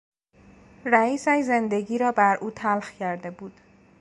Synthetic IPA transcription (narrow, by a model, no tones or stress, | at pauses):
ræiːsæʃzend̪e̞ɟiːɾɒːbæɾʔuːt̪ʰælxcʰæɾd̪ebuːd̪̥